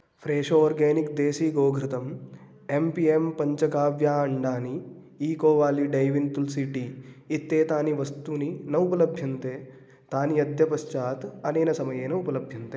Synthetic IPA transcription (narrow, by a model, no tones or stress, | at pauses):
pʰɾeːʂoːɾɡeːnikd̪eːʃiːɡoːɡʱɾit̪ɐm | empiempɐɲt͡ʃɐkaːʋjaːɐɳɖaːni | iːkoːʋaːliɖɐjʋint̪ulsiːʈiːt̪ːeːt̪aːniʋɐst̪uninɐupɐlɐbʱjɐnt̪eː | t̪aːniɐd̪ʱjɐpɐʃt͡ʃaːt̪ɐneːnɐsɐmɐjeːnɐupɐlɐbʱjɐnt̪e